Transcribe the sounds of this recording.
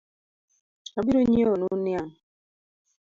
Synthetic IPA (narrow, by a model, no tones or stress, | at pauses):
abiɾoɲionunian